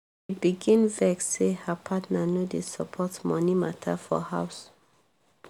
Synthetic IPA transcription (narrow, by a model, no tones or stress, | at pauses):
ibiɡĩnvɛksehapʰatnanodesɔpʰɔtmɔ̃nimatʰa̰fɔ̰haws